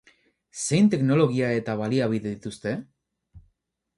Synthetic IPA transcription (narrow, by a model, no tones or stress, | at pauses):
se̞jnt̪e̞kno̞lo̞ɣ̞iae̞t̪aβ̞aliaβ̞iðeðit̪ust̪e̞